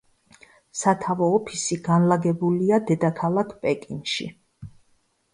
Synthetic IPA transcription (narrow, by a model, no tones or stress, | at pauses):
sat̪ʰavɔːpʰisiɡanlaɡɛbuliad̪ɛd̪akʰalˠakʰpʼɛkʼinʃḭ